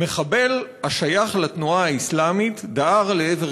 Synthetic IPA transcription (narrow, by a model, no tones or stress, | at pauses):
me̞χabe̞laʃajaχlat̪nuaaislamitdaʔaʁleeve